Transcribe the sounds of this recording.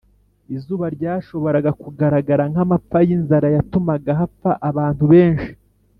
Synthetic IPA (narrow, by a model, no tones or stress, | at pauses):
izuːβaɾɟaːʃo̞βo̞ɾaɡakuɡaɾaɡaɾaŋamap͡fajinzaɾajatumaɡaɦapaʔaβaːntuβe̞ːnʃi̥